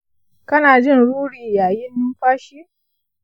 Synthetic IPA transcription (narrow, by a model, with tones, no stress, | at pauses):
kɐ˦naː˨d͡ʒɪ˦˨nɽuː˦ɽiː˨jaː˨jɪ˦nːʊ˦ɸaː˦ʃi˦